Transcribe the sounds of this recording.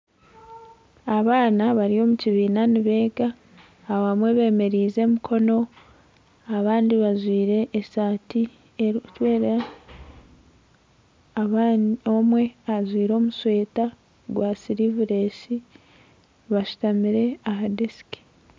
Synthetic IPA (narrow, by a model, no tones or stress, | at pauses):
aβaːnaβaɾio̞ːmuciβiːnaniβe̞ːɡaː | aβamwe̞βe̞ːme̞ɾiːze̞mikʰo̞no̞ | aβaːndiβazwiːɾe̞ʔːsaːti | eɾutwe̞ːɾa | βomwe̞azwiːɾo̞ːmuswe̞ːta | ɡwasiɾivuɾe̞si | βaʃu̥tamiɾe̞aɦadesi̥ki̥